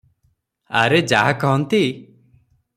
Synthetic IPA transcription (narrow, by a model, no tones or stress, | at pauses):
a̰ɾed͡ʒaɦakɔɦɔnt̪i